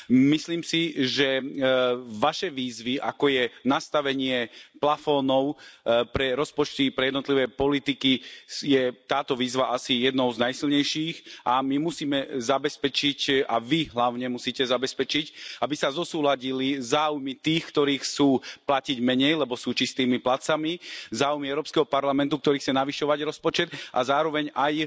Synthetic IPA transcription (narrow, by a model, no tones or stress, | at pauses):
misliːmsiʒɛ | ʋaʃɛʋiːzʋiʔakɔjɛnast̪aʋɛɲɪɛplafɔnɔʊpɾɛɾɔspɔt͡ʃt̪ipɾɛjɛd̪nɔt̪liʋɛːpɔlit̪ikijɛt̪aːt̪ɔʋiːzʋaʔasijɛd̪nɔʊznajsilɲɛjʃiːxʔamimusiːmɛzabɛspɛt͡ʃicaʋiɦlaʊɲɛmusiːcɛzabɛspɛt͡ʃicabisazɔsuːlaɟilizaːujmit̪iːxkt̪ɔɾiːxt͡suːplaciɟmɛɲɛjlɛbɔsuːt͡ʃist̪iːmiplat͡samizaːujmiɛʊɾɔːpskɛɦɔpaɾlamɛnt̪uk̚t̪ɔɾiːxt͡sɛnaʋiʃɔʋaɟɾɔspɔt͡ʃɛd̪a̰zaːɾɔʋɛɲaj